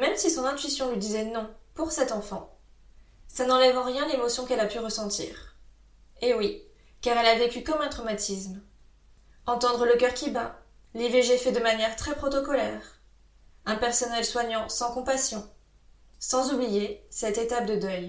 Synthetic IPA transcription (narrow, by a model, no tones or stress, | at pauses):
mɛmsisɔ̃nɛ̃t̪ɥisjɔ̃lɥid̪izɛnɔ̃puʁsɛt̪ɑ̃fɑ̃ | sanɑ̃lɛvɑ̃ʁjɛ̃lemɔsjɔ̃kɛlapyʁəsɑ̃t̪ḭːʁ | ewi | kaʁɛlavekʲykɔmɛ̃t̪χɔmat̪ʰism | ɑ̃t̪ɑ̃d̪ʁələkʲœʁkʲiba | liveʒefɛd̪əmanjɛʁt̪χɛpχɔt̪ɔkɔlɛːʁ | ɛ̃pɛʁsɔnɛlswaɲɑ̃sɑ̃kɔ̃pasjɔ̃ | sɑ̃zublijesɛt̪et̪ap̚d̪əd̪œj